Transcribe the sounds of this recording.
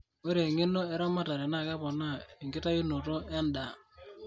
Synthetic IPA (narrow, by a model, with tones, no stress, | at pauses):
o˦ɾe˨ŋe˦no˦e˦ɾɔ˦ma˦ta˨ɾe˨na˦˨ka˦pɔ˨na˦˨i˨ŋɡɪ˦ta˦ji˦no˨to˦ɛ˦nda˨